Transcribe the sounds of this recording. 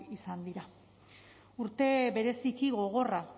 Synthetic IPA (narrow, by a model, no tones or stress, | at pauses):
isand̪iɾa | uɾt̪e̞βe̞ɾe̞sikiɣo̞ɣ̞o̞ra